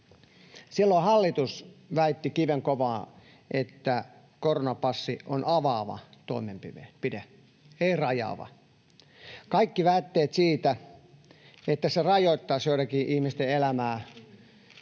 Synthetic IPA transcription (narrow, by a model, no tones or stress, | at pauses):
silːohɑlːit̪usʋæit̪ːikiʋeŋkoʋɑː | ʔet̪ːæ | koronɑpɑsːionɑʋɑːʋɑ̰t̪oˑimempiʋḛpide | eirɑjɑ̰ːʋɑ̰ | kɑikːiʋæːt̪ːeːt̪siːt̪æ | et̪ːæserɑjoˑit̪ːɑːsjoˑit̪ɑkiːʔihmist̪eelæmæː